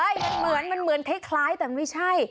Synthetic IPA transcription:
ʔaː˧˩jba˨˩mɯ˨˩˦ənma˧nmɯ˨˩˦ənt̪ʰe˦˥kʰlaː˦˥jt̪ɛː˨˩ma˥˩jt͡ɕʰa˥˩j

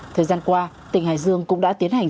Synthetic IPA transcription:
t̪ʰəː˨˩jzaː˧nkwaː˧ | t̪ï˨˩ŋ̟ha̰ː˨˩jzɨ˧əŋkʊ̰˧˥ŋ͡mɗa̰ː˧˥t̪i˨˦ənha˨˩ŋ̟

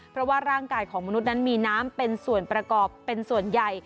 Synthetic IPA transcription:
pʰɾɔ˦˥waː˥˩ɾaː˥˩ŋkaː˧jkʰɔː˩˦ŋma˧nu˦˥t̪̚na˦˥nmiː˧naː˦˥mpe˧nsu˨˩ənpɾa˧kɔː˨˩pːe˧nsu˨˩ənja˨˩j

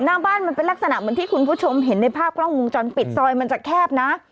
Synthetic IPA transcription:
naː˥˩ŋbaː˥˩nma˧npe˧nlk̚sa˧na˨˩ʔmɯ˩˦nt̪iː˥˩kʰu˧npʰuː˥˩t͡ɕʰo˧mɦe˩˦nːa˧jpʰaː˥˩p̚kʰɾɔ˥˩ŋwo˧ŋt͡ɕɔː˧npi˨˩t̪̚sɔː˧jma˧nt͡ɕaː˨˩kʰɛː˥˩p̚na˦˥ʔ

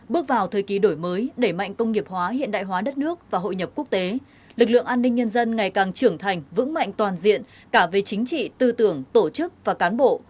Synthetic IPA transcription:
ɓɨ˦˥ək̚vaː˨˩wt̪ʰəː˨˩jki˨˦ɗo˧˩jməː˨˦jɗe˧˩ma̰˧˨jŋ̟kə˧wŋ͡mŋi˨˩əp̚hwaː˨˦ɦḭ˧˨ənɗa̰ː˧˨jɦwaː˨˦ɗə˦˥t̚nɨ˦˥ək̚vaː˨˩ɦo̰˧˨jɲə˨˩p̚ku˦˥ək̚t̪e˨˦ | lɨ˨˩k̚lɨ̰˧˨əŋʔaː˧nːï˧ŋ̟ɲə˧nzə˧nŋa˨˩jkaː˨˩ŋt͡ɕɨ˧˩əŋt̪ʰa˨˩jŋ̟vɨ̰˧˥ŋma̰˧˨jŋ̟t̪waː˨˩nzḭ˧˨ən | kaː˧˩ve˨˩t͡ɕï˨˦ŋ̟t͡ɕḭ˧˨t̪ɨ˧t̪ɨ˧˩əŋt̪o˧˩t͡ɕɨ˦˥k̚vaː˨˩kaː˨˦nɓo̰˧˨

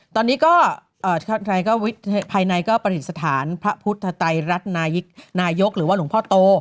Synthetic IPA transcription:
t̪ɔː˧nːiː˦˥kɔː˥˩ | ʔɤː˨˩a˥˩a˧jkɔː˥˩wi˦˥t̪̚pʰaː˧jna˧jkɔː˥˩pɾa˧ɾi˨˩t̪̚sa˧t̪ʰaː˩˦npʰa˦˥pʰu˦˥t̪ʰːa˧t̪a˧jɾa˦˥t̪̚naː˧ji˦˥k̚naː˧jo˦˥k̚ɾɯː˩˦wa˥˩lu˩˦pʰɔː˥˩t̪oː˧

